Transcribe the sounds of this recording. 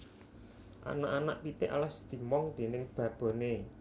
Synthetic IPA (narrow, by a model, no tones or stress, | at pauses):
ʔa̰naʔanaʔpit̪ɪʔalasd̪̥i̤mɔŋd̪̥e̤nɪŋb̥ä̤b̥o̤ne